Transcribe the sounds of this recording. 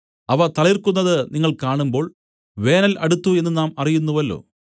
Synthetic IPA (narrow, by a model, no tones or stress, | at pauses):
ɐʋɐt̪ɐɭirkunːɐðɨniŋːɐɭkaːɳumbo̞ːɭ | ʋe̞ːnɐlɐɽut̪ːue̞nːɨnaːmɐrijunːuʋɐlːo̞̰ː